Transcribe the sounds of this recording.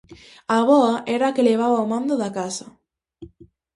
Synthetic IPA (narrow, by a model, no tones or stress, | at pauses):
aβɔaʔɛɾaːkeleβ̞aβaomãnd̪oðakasɐ